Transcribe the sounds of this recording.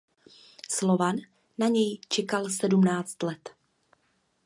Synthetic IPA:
slovanː | aɲɛjt͡ʃɛkalsɛdumnaːt͡st̪lɛt̪

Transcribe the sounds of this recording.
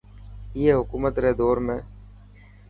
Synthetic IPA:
ɪeːɦʊkuːmət̪ɾeːd̪oːɾmẽː

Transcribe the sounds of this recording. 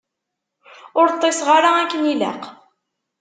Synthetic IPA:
ʊɾt̪ˤːesʁaɾaækːənilæ̰q

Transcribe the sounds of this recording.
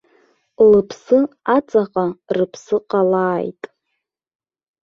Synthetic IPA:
lɨpʰsɨat͡sʼaqʼarɨpʰsɨqʼalaːjtʼ

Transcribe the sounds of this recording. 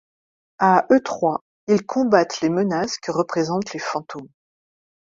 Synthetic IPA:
aʔøt̪χwa | ilkʰɔ̃bat̪lemənaskəʁəpχezɑ̃t̪lefɑ̃t̪ʰom

